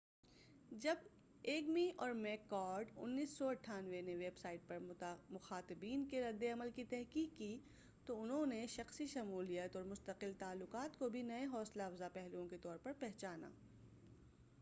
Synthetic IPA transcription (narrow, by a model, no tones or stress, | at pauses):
d͡ʒɐb | eːɡmiʔɔːɾmɛːkːɔːɾɖʊ̰nːiːsːɔɐʈʰːaːnʋeneʋeːbsaːɪʈ̚pɐɾmʊxaːt̪ɪbiːnkeɾɐd̪ːeɐməlkit̪ɛɦkiːkːi | t̪oʊnɦõneʃɐxsiʃɐmuːlijət̪ɔːɾmʊst̪əqɪlt̪aːlːʊqaːt̪kobʱinɐeɦɔːslaɐfzapɛɦliõket̪ɔːɾpɐɾpɛɦt͡ʃaːna̰ː